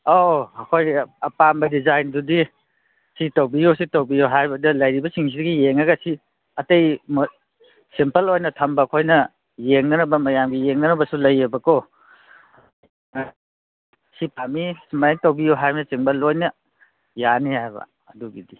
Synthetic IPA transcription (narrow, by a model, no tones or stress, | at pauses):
oɐkʰojɐpambɐdizajndudi | sitɐwbijositɐwbijoɦajbɐdɐlɐjɾibɐsiŋs̬ʰidɐɡijeŋaɡɐsi | ɐtɐjm | simpɐlojnɐtʰɐmbɐkʰojnɐ | jeŋnɐnɐbɐmɐjamɡijeŋnɐnɐbɐsulɐjebɐko | sipamisimajŋtɐwbijoɦajbɐnɐsimpɐlojnɐ | janihajba̰ːduɡidi